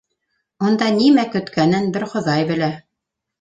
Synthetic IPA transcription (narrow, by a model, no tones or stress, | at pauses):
ŏnd̪ɑnimækɵ̆t̪kænɘnbɘɾχŏðɑjbɘ̆læ